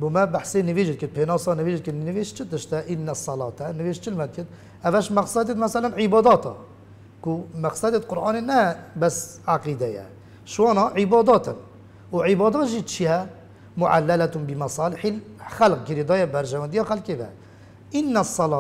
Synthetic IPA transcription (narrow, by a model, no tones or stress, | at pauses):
bumɛbaħsenɨveʒd̪̚kət̪̚pʰeːnɑːsɑnɨveʒd̪̚kəɾnɨveːʃt͡ʃʰɪt̪ɨʃt̪ɛʔɪnːɛsˤːɑlɑ̰ːt̪ɛnɨveːʃt͡ʃʰɪlmɛd̪̚kət̪ | ʔævæʃmæqsæd̪et̪mæsælænʕɪbɑːd̪ɑːt̪ɑ̰ | kumæqsɛd̪et̪qʊɾʔɑːnenɛbɛsʕaqid̪ɛjɛ̰ | ʃwɑːnɑʕɪbɑːd̪ɑːt̪ɨn | uʕɪbɑːd̪ɑːt̪ʒit͡ʃʰijɛ | mʊʕa̰lːælæt̪unbimæsˤɑːlɪħixælq̚ɡəɾed̪ɑːjɛbæɾʒɛwænd̪ijɑxælkeːvɛ̰ | ʔɪnːɛsˤːɑlɑː